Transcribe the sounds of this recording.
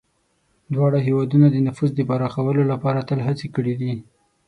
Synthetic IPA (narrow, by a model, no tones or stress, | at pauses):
d̪wɑɽaɦewɑd̪unad̪ənafuzd̪əpaɾɑxawəlolapɑɾat̪əlɦat͡sekəɽid̪i